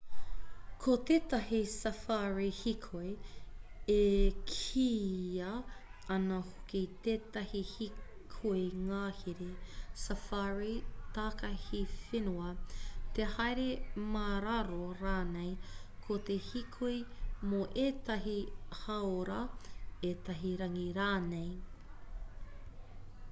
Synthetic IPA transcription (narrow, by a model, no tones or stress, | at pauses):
kʰot̪eːt̪ɐhisɐfaɹihikʰoj | ekʰiːɐɐnɐhokit̪eːt̪ɐhihi | kʰojŋaːhiɾesɐfaɹit̪aːkɐhifenuɐt̪ehɐjɾemaɾɐɾoɾaːnejkʰot̪ehikʰuimoʔeːt̪ɐɦihɐoɾɐeːt̪ɐɦiɾɐŋiɾaːnej